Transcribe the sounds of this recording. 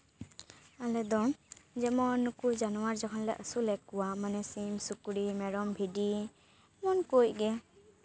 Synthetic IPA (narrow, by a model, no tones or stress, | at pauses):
alɛd̪ɔd͡ʒɛmɔnːukud͡ʒanɔwaɾd͡ʒakʰɔnlɛ̰ʔəsulɛkːuwamanɛsimsukɾimɛɾɔmbʱidi | mɔnkojɡɛ